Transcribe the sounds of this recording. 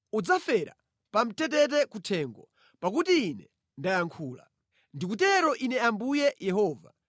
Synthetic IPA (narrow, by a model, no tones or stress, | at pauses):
ud͡zafɛɾa̰ | pam̩tɛtɛt̬ɛkutʰɛːŋɡɔ | pakutiːnɛ | ndajaŋkʰuːla̰ | ndikutɛɾɔʔinɛambujɛjɛɦɔːva̰